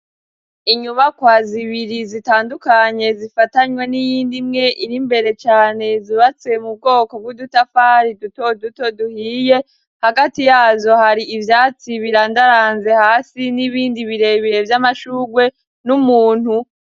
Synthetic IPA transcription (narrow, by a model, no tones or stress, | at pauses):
iɲuβakwaːziβiɾizitaːndukaɲe̞zifataɲwe̞nijiːndimŋe̞ʔiɾimbe̞ɾe̞t͡ʃaːne̞ziβat͡se̞mub̚ɡo̞ːko̞b̚ɡudutafaɾiduto̞duto̞duhiːje̞ | haɡatijaːzo̞haɾiivjaːt͡siβiɾaːndaɾaːnze̞haːsiniβiːndiβiɾe̞βiɾe̞vjamaʃuːɡwe̞ | numuːn̥hu